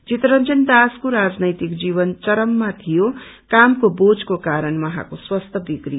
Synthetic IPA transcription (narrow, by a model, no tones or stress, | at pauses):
t͡ʃit̪ɾʌnt͡sʌnd̪askoɾad͡znʌjt̪ikd͡ziβʌnt͡sʌɾʌmːat̪ʰijo | kamkobod͡zkokaɾʌnmʌɦa̰koswʌst̪ʰʌbikɾi